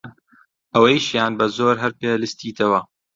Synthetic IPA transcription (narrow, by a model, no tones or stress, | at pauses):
ʔɐwejʃjaːnbɐzoːɾɦɐɾpeːlɨst̪iːt̪ʰɐwɐ